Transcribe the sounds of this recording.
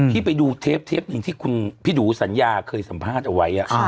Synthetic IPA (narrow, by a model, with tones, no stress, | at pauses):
iː˥˩pa˧jduː˧t̪ʰeː˦˥p̚t̪ʰeː˦˥p̚nɯ˧ŋt̪ʰiː˥˩kʰu˧npʰi˦˥duː˩˦sa˩˦njaː˧kʰɤː˧jsa˩˦mpʰaː˥˩t̪̚ʔa˧wa˦˥jʔa˨˩